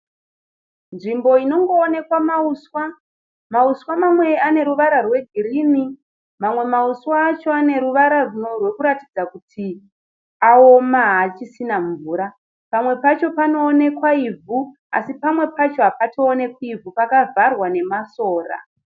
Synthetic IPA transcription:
nʐimbo̞ino̞ŋɡo̞ːne̞kwamauswa | mauswamamwe̞ane̞ɾuʋaɾarwe̞ɡʱiɾimi | mamwe̞mauswaːt͡ʃoane̞ɾuʋaɾarunorwe̞kuɾatid͡zakutʰi | aomaɦat͡ʃisinaɱvuːɾa | pamwe̞pat͡ʃo̞pano̞ːne̞kwaivu | a̰sipamwe̞pat͡ʃo̞apatʰo̞ːne̞kwuivupakavʱarwane̞maso̞ːra̰

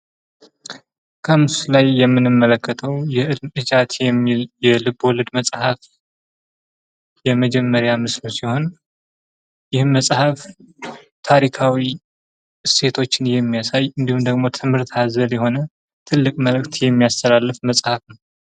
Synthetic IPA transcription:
kʰəmɨsulajːɛmːɨnɨmːələkːət̪ʰəwjɛɨʔɨd͡ʒat̪jɛjɛlɨbɔlɨd̪məsʼhaf | jɛməd͡ʒɛmːəɾjamɨslusiho̞n | jɪhɨnməsʼhəf | t̪ʰaɾikʰawi | se̞t̪ʰo̞t͡ʃːɪnjɛmːijasajɨnd̪ihumd̪əɡmo̞t̪ʰɨmhɨɾt̪ʰazəljɛho̞nə | t̪ʰɨlːɨkʼməlɨk̚t̪jɛmːijast̪ʰəlalːɨfməsʼhafnəw

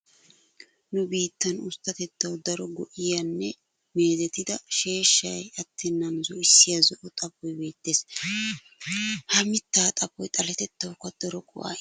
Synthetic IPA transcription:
nʊbiːt̪ːɐnʊst̪ːɐt̪ɛt̪ːɐwd̪ɐɾɔɡɔʔɪjɐnːɛ | me̞ːd̪ɛt̪ːɪd̪ɐʃe̞ːʃːɐjɐt̪ʰːɪnːɐnʊzɔɪsːɪjɐzɔʔɔt̪ʼɐpːɔjbe̞ːt̪ːeːs | hɐmɪt̪ːaːt̪ʼɐbɔjt̪ʼɐlɛt̪ɛt̪ːɐwkɐd̪̥ɔɾɔkʼʊ̰ʔa̰ː

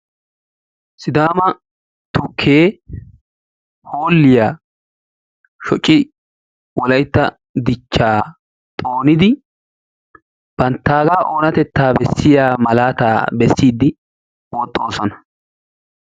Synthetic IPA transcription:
sɪd̪aːmɐ | t̪ʊkʰːeː | hoːlːɪjaː | ʃɔt͡ʃʼːɪ | wɔlɐjt̪ːɐ̰ | d̪ɪt͡ʃːaː | t̪ʼoːnɪd̪ɪ | b̥ɐnt̪ːaːɡaːʔoːnɐt̪ɛt̪ːaːbɛsːɪjaːmɐlaːt̪a̰ːbɛsːiːd̪ːɪ | wɔt̪ʼːo̞ːsɔnɐ

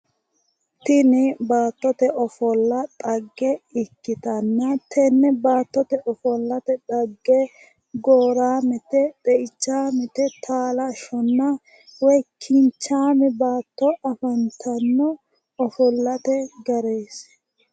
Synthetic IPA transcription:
t̪ɪnɪbaːt̪ːɔt̪ɛʔɔfɔlːɐt̪ʼɐɡːɛɪkːɪt̪ɐnːɐt̪ʰɛnːɛbaːt̪ːɔt̪ɛʔɔfɔlːɐt̪ɛt̪ʼɐɡːɛ | ɡoːɾaːmɛt̪ɛt̪ʼɛʔɪt͡ʃːaːmɛt̪ɛt̪ʰaːlɐʃɔnːɐ | wɔjkʰɪnt͡ʃːaːmɛbaːt̪ːɔʔɐfɐnt̪ʰɐnːɔ | ɔfɔlːɐt̪ɛɡɐɾeːs

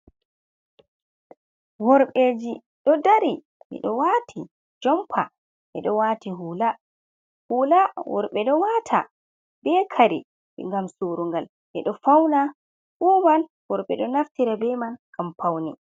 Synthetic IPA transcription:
wɔɾɓed͡ʒi | ɗɔdaɾi | mḭɗɔwatʰi | d͡ʒɔmpʰa̰ | ʔɛɗɔwaːtiɦula | hulawɔ̰ɾɓɛɗɔwatʰa̰ | bɛkʰaɾɛ̰ | ɓɛ̰ŋɡamsoɾuŋɡal | ʔɛɗɔfawna | ʔuːman | wɔɾɓɛ̰ɗɔnaftiɾabɛmankampawnɛ

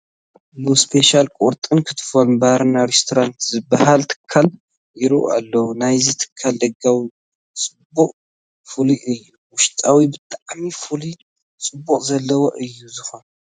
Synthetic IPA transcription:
mɨspʰe̞ʃalkʼuɾt̪ʼɨnkʰɨt̪ʰɨ̥fonbaɾnaɾest̪ʰoɾant̪zɨbːahalt̪ʰɨ̥kʰːal | jɪɾṵʔa̰lːɐwnajzit̪ʰɨ̥kʰːald̪ɐɡawi | t͡sʼɨbuqʼ | fɨliʔɨjːuwʊʃt̪ʼawibɨt̪ʼaʕmifuli | t͡sʼɨbːuqʼzɐlːɐwoʔɨjːuzɨxo̞n

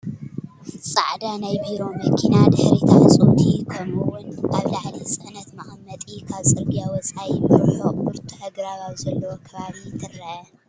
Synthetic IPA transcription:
sʼa̰ʕd̪anajbiɾo̞mɐkʰinad̪ɨħɾit̪ʰasʼuwt̪ʰikʰɐmuwʊnkʰaβlaħlisʼɨʔnɐt̪maxmɐt̪ʼikʰaβsʼɐlbijawɔt͡sʼajɪmɨɾħoɨɾt̪ʰuħɐɡɾaβawzɐlːɐwokʰɐβaβit̪ʰɨɾɐʔɐ

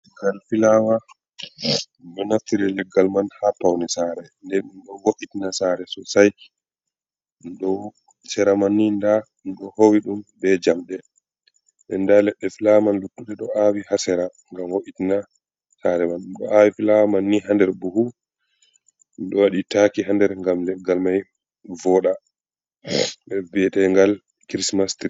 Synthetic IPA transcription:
ɛɡalfilawa | nɗɔnaftiɾɛlɛɡːalmanhapawnisaɾɛndɛnnɗɔwoʔitinasaɾɛsɔsaj | nɗɔ | sɛɾamanːinda | nɗɔhowiɗumbɛd͡ʒamɗɛ | ɓɛndalɛɗːɛfilamanlutːuɗɛɗɔawihasɛɾa | ŋɡamwoʔitina | saɾɛmanɗumɗɔ̰ʔawifilamanːiɦandɛɾbuhu | nɗɔwaɗitakiɦandɛɾŋɡamlɛɡalmaj | vɔɗa | ɓɛbɛtɛŋɡal | kɾismastiɾ

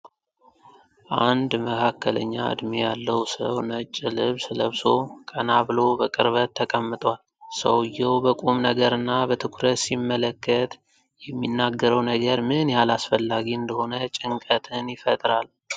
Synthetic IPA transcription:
ʔand̪məkʰakːələ̰ɲːa̰ɨ̰d̪mijalːəwsə̰wnət͡ʃʼːɨlɨβsləβso̞kʼənabɨlo̞bəkʼɨɾβət̪ʰːəkʼəmːɨt̪ʼwal | sə̰wɨjːɛwbəkʼumnəɡəɾɨnːabət̪ʰɨkʷʰɾət̪simːələkːət̪ | jɛmːinːaɡːəɾəwnəɡəɾmɨnjalasfəlːaɡiɨnd̪əho̞nət͡ʃʼɪŋkʼət̪ʰɨnjɪfət̪ʼɾal

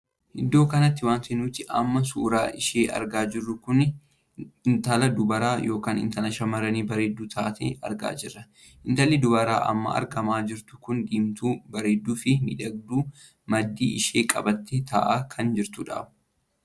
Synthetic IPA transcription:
hɪd̪ːo̞ːkɐnɐt̪ːɪwaːnt̪ɛnuːt̪ɪʔɐ̰mːɐs̬uːɾa̰ːʔɪʃeːʔɐ̰ɾɡaːd͡ʒɪrːʊkʊn | nt̪ɐlɐd̪ʊbɐɾaːjo̞ːkaːnɪ̰nt̪ɐlɐʃɐmɐɾɐniːbɐɾeːd̪ːuːt̪ʰa̰ːt̪ḛːʔɐ̰ɾɡa̰ːd͡ʒɪrːɐ | ʔɪnt̪ɐlɪd̪ʊbɐɾa̰ːʔɐ̰mːɐ̰ɐ̰ɾɡɐmaːd͡ʒɪɾt̪ʊ̥kʊnd̪iːmt̪uːbɐɾeːd̪ːuːfɪmɪ̰d̪ɐɡ̚d̪uː | mɐd̪ːiːʔɪʃeːkʼɐ̰bɐt̪ːeːt̪ʰɐ̰ːʔaːkʰɐnd͡ʒɪɾt̪ʊᶑa̰ːbʊ̥

